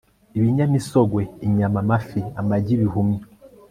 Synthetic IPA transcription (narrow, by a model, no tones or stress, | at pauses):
iβiɲamisoɡwe̞iɲamamafiamaɟiβiɦumi